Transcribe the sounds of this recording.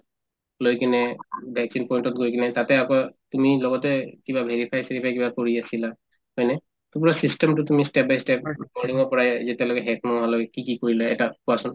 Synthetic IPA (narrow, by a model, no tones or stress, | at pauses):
lojkinɛbʱɛksinpɔjntɔtɡojkinɛtatɛakɔtumilɔɡɔtɛkibabʱeɹipʰajseɹipʰajkibakoɹiasila | hɔjnɛ | tupɹasistɛmtʊtumistɛp̚bajstɛp̚mɔniŋɔɹpɔɹazɛtɛlɔkɛɦɛt̚mɔŋɦalɔkɛkikikoɹilaɛtakuasɔn